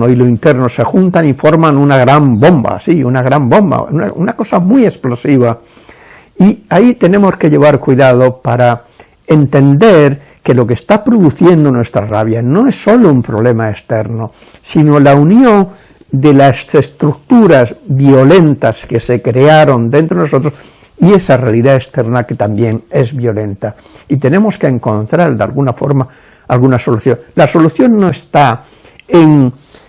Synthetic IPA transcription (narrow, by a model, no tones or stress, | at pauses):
oilo̞int̪e̞ɾno̞se̞xunt̪anifo̞ɾmãnunaɣɾambo̞mba̰siunaɣ̞ɾambõ̞mba̰ua̰unako̞samije̞splo̞siβ̞a | iait̪e̞nẽ̞mo̞ske̞ʎe̞β̞aɾkwiðað̞o̞paɾa | e̞nt̪e̞nd̪e̞ɾ | ke̞lo̞kest̪apɾo̞ðuθje̞nd̪o̞nwe̞st̪ɾa̰ra̰β̞jano̞esːo̞lo̞umpɾo̞βle̞maest̪e̞ɾno | sino̞launjõŋ | d̪e̞laessest̪ɾuk̚t̪uɾazbjo̞le̞nt̪aske̞se̞kɾe̞aɾo̞nd̪ent̪ɾoenosot̪ɾos | ie̞sarealiðaekst̪e̞ɾnake̞t̪ambje̞ŋe̞zβjo̞lẽ̞nt̪ait̪e̞nẽ̞mo̞skeːŋko̞nt̪ɾald̪ea̰lɣunafo̞̰ɾma | alɣunaso̞luθjo̞ŋlaso̞luθjo̞nːo̞est̪a | eŋ